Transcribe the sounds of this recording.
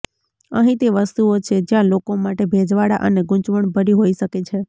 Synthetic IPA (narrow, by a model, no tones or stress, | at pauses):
ə̰ɦĩt̪eʋəst̪uot͡ʃʰed͡ʒjãlokomaʈebʱed͡ʒʋaɽa̰ʔəneɡʊ̃ɲt͡ʃʋəɳbʱəɾiɦoiʃəket͡ʃʰe